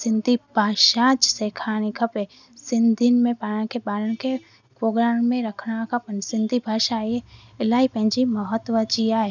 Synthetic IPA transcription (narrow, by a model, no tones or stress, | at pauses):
sɪ̃nd̪ʱibʱaːʃãːt͡ʃseːkʰaːñikʰəpe | sɪ̃nd̪ʱinmẽpaːñãkebaːɾəñke | pɾoːɡɾaːmːẽɾəkʰɽ̃akapənsɪ̃nd̪ʱibʱaːʃajeɪlaːipɛ̃d͡ʒiməɦət̪ːʋət͡ʃijaɦe